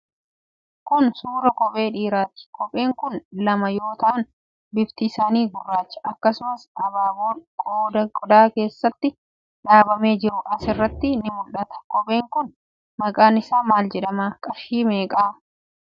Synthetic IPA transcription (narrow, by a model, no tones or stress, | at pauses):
kʊnsuːɾɐkɔpʼe̞ːᶑiːɾaːt̪ɪ̥kɔpʼeːŋkʊnlɐmɐjo̞ːt̪ɐʔɐn | bɪft̪ɪːsaːniːɡʊrːaːt͡ʃːɐ̥ʔɐkːɐsʊmɐsʔɐbaːboːkʼoːd̪ɐkʼɔd̪aːke̞ːsːɐt̪ːɪ | ᶑaːbɐme̞ːd͡ʒɪɾʊʔɐsɪrːɐt̪ːɪnɪmʊlʔɐt̪ɐ̥kɔpʼe̞ːŋkʊn | mɐkʼaːnɪsaːmaːld͡ʒɛᶑɐmaːkʼɐfʃiːmeːkʼaː